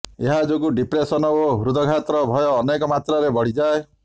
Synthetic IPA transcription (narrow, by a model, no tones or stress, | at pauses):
eɦad͡ʒoɡuɖipɾesɔnɔoɦuɾud̪ʱɔkʰat̪ɾɔbʱɔjɔːnekɔmat̪ɾɔɾebɔɽ̤id͡ʒae